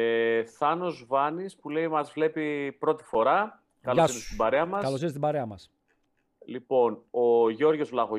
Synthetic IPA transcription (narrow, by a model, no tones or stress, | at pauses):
eθɐno̞zvɐnispule̞imɐzvle̞pipɾo̞t̪i̥fo̞ɾɐ | kɐloɐsiist̪ibɐɾeɐmɐskɐɐlosist̪ibɐɾe̞ɐmɐs | lipo̞noʝo̞ɾʝo̞zvlɐɣo